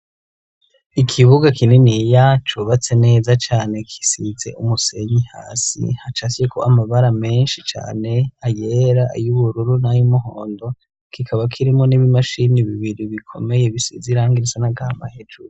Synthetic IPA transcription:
ikʰiβuɡakʰininijat͡ʃuβat͡se̞ne̞ːzat͡ʃaːne̞kʰi̥size̞̰ʔumuse̞ɲiha̰ːsḭhat͡ʃasijeko̰amaβaɾame̞ːnʃit͡ʃa̰ːne̞ajeɾaʔajuβuɾuɾunajumuɦoːndo̞ | kʰikʰaβakʰiɾimŋo̞niβimaʃiniβiβiɾiβikʰo̞̰me̞je̞βisḭziɾaːŋɡiɾisanaɡama̰hed͡ʒuɾu

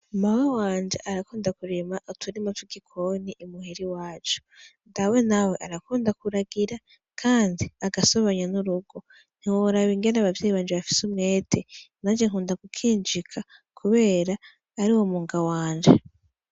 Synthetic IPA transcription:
mawawaːɲd͡ʒe̞̰ʔaɾakuːndakuɾemaʔotʰuɾimatwiɡikʰo̞niʔːmuheɾiwaːt͡ʃu̥ndawe̞nawe̞ʔaɾakuːndakuɾaɡiɾa | kʰaːndiaɡaso̞βaɲanuɾuɡo̞ | n̥hiwoɾaβiŋɡe̞naβavjeːjiβaːɲd͡ʒeβafi̥sumŋe̞ːtʰenad͡ʒeŋ̥uːndaɡukʰiːnd͡ʒikʰa | kʰuβe̞ːɾaː | ɾiwomuːŋɡawaːɲd͡ʒe

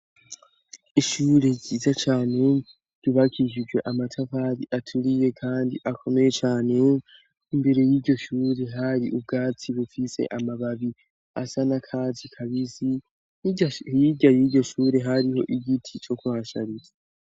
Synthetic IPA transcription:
iʃuɾe̞ɟizat͡ʃaːne | ɟ̥uβakʰiʒid͡ʒɡwe̞ʔamatʰavaɾiʔatʰuɾije̞kʰaːndiʔakʰo̞me̞jet͡ʃaːne | imbe̞ɾe̞jiːɟo̞ʃuːɾe̞ɦaɾiʔub̚ɡaːt͡siβufise̞̰ʔamaβaβi | a̰sanakʰaːzikʰaβizi | iɟajiɟo̞ʃuːɾe̞ɦaɾiho̞ʔiɡitʰit͡ʃo̞kuβaːʃa̰ɾiza

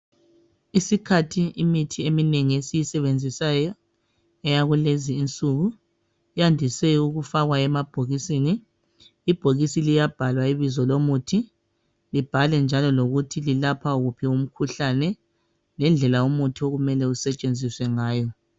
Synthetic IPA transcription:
isikʰatʰiimitʰiemineŋiesijisɛβend͡zʱisajɔ | ɛjaɣuleziːnt͡sʼuɣu | jandʱisɛuɣufaɣwaɛmab̥ʱoɣisiniː | b̥ʱoɣisilijab̥ʱalwaiβizɔlomutʰi | lib̥ʱalɛnd͡ʒʱalɔloɣutʰililapʰauɣupʰium̩kʰuɬanɛ | lɛnd͡ɮʱɛlaumutʰioɣumɛlɛusɛt͡ʃʼend͡zʱiswɛŋaːjɔ

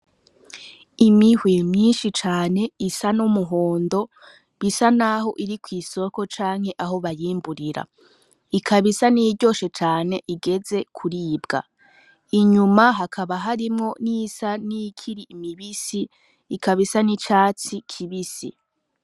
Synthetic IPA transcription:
imihwemɲiːnʃit͡ʃaːne̞isanumuɦo̞ːndo̞ | βisanaɦo̞ʔiɾikwiːso̞ko̞t͡ʃaːŋ̥he̞ʔaɦo̞βajiːmbuɾiɾa̰ | ikʰaβisaniɟo̞ːʃe̞t͡ʃaːne̞ʔiɡe̞d͡ze̞kʰuɾiːbɡa̰ | iɲumaɦakʰaβaɦaɾimŋo̞nisanikʰiɾiimiβisiː | kʰaβisanit͡ʃaːt͡sikʰiβisḭ

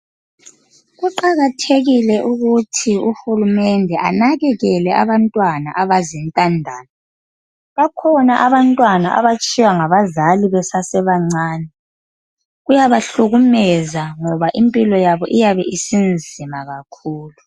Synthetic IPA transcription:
ɣuǃaɣatʰeɣilɛʔuɣutʰiuxulumɛndʱɛʔa̰naɣɛɣɛlɛʔa̰βantʼwana̰ʔaβazintʼandʱaːna | βakʰɔnaʔaβantʼwanaʔa̰βat͡ʃʼiwaŋaβazaliβɛsasɛβaŋ͡ǀaːnɛ | ɣujaβaɬuɣumɛzaŋɔβaʔimpʼilɔjaβɔʔijaβɛʔisind͡zʱimaɣakʰuːlu

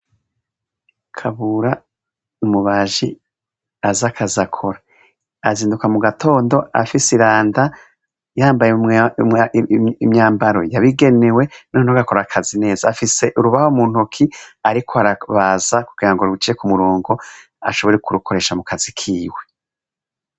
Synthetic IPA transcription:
kʰaβuɾa | numuβaːʒi | azakʰazakʰo̞ɾa | aziːndukamuɡatʰo̞ːndo̞a̰fisiɾaːnda | jaːmbaje | imɲaːmbaɾo̞̰jaβiɡe̞ne̞we̞nonoɡako̞ɾakʰazine̞ːzaːfise̞ʔuɾuβahomuːn̥hokʰiaɾikʰoaɾaβaːzakuɡ̥iɾaŋɡoɾut͡ʃiːekumuɾoːŋɡo̞ | a̰ʃo̞βo̞ɾekuɾukʰo̞ɾe̞ːʃamukʰazikʰiːwe

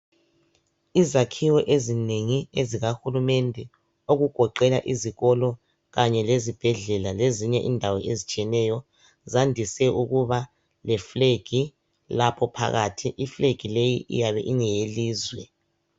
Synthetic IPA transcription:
izakʰiwɔʔezineŋieziɣaxulumendʱɛ | oɣuɡ̥ʱɔǃɛla̰ʔiziɣɔlɔ | ɣaɲɛlezib̥ʱɛɮɛlaleziɲɛʔindʱawɔʔezit͡ʃʼijɛnɛjɔ | zandʱisɛʔuɣuβa | lɛfleɡ̥ʱi | lapʰɔpʰa̰ɣa̰tʰiʔifleɡ̥ʱilejiʔḭjaβɛʔiŋɛjeliːzwɛ

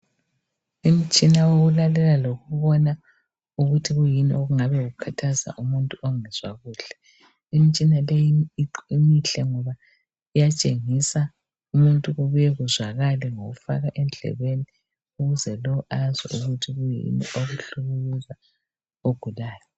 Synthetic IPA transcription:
im̩t͡ʃʼinaoɣulalɛlaloɣuβɔna | uɣutʰiɣujiniʔoɣuŋaβɛɣukʰatʰaza̰ʔumuntʼuʔɔŋɛz̥waɣuːɬɛ̥ | imit͡ʃʼinalɛjiiǃimiɬɛŋɔβa | ijat͡ʃʼeŋisa | umuntʼuɣuβujɛɣuzwaɣalɛŋoɣufaɣaʔɛnd͡ɮʱɛ̰βeni | uɣuzɛlɔazɛ̰uɣutʰiɣujḭnḭʔoɣuɬuɣuluza | oɡ̥ʱulaːjɔ

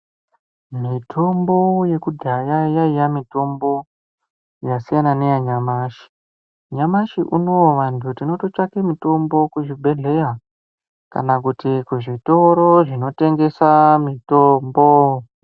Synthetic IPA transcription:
mitʰo̞mbo̞je̞kudʱajajaijamito̞mbo̞ | jasijananejaɲamaːʃi̥ | ɲamaʃiʔuno̞ʋantʰutino̞to̞t͡ʃakemito̞mbo̞kuʐibʱe̞ɮe̞ja | ka̰nakutikuʐito̞ɾoʐino̞te̞ŋɡe̞samitoːmbo

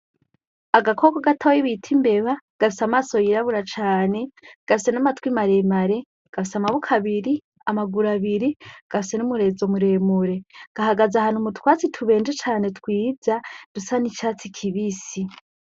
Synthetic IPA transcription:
aɡakʰoɡaɡatʰojiβitʰimbe̞βaɡ̥afisamaːso̞jiɾaβuɾat͡ʃaːne̞ɡ̥afise̞namatwimaɾe̞maɾe̞ | ɡ̥afisamaβukʰaβiɾi | amaɡuɾaβiɾiɡ̥afisenumuɾe̞zo̞muɾe̞muɾe̞ɡ̥aɦaɡazahaːnumutwaːt͡sitʰuβe̞ːnd͡ʒet͡ʃaːne̞tkwiːzad̥usanit͡ʃaːt͡sikʰiβisi

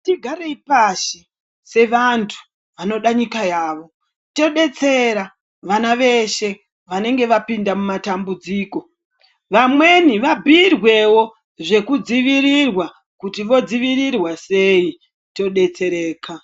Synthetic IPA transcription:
tiɡʱaɾeipaʃe | se̞ʋantʰu̥ | ʋano̞ɗaɲikajaːʋo̞ | to̞ɗe̞t͡se̞ɾa | ʋanaʋe̞ʃe̞ | ʋane̞ŋɡe̞ʋapindamumatambud͡ziːko̞ | ʋamwe̞niʋabʱirwe̞wo̞ | ʐe̞kud͡ziʋiɾirwa | kutiʋo̞d͡ziʋirirwase̞i | to̞ɗe̞t͡se̞ɾe̞ːkʰa

